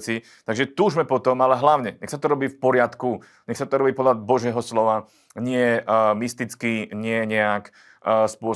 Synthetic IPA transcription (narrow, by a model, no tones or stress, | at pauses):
t͡si | t̪aɡʒɛt̪uːʒmɛpɔt̪ɔmalɛɦlaʊɲɛɲɛxsat̪ɔɾɔbiːfpɔɾɪat̪ku | ɲɛxsat̪ɔɾɔbiːpɔd̪labɔʒɪɛɦɔslɔʋa | ɲɪɛmist̪it͡skiɲɪɛɲɛakː | spʊɔ